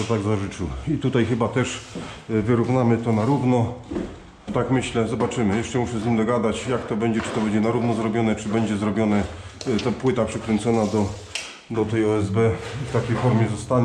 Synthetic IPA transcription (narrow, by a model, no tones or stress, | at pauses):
ɔt̪aɡzaʐɘt͡ʂɘwit̪ut̪ajxɘbat̪ɛʂvɘɾuvnamɘt̪ɔnaɾuvnɔ | t̪akmɘɕlɛzɔbat͡ʂɘmɘjɛʂt͡ʂɛmuʂɛzʲɲimd̪ɔɡad̪at͡ɕjakt̪ɔbɛɲd͡ʑɛt͡ʂɘ̥t̪ɔbɛɲd͡ʑɛnaɾuvnɔzɾɔbʲjɔnɛt͡ʂɘbɛɲd͡ʑɛzɾɔbʲjɔnɛt̪ɔpwɘt̪apʂɘkɾɛnt̪sɔnad̪ɔ | d̪ɔt̪ɛjɔɛzbɛft̪akʲejfɔɾmʲjɛzɔst̪aɲ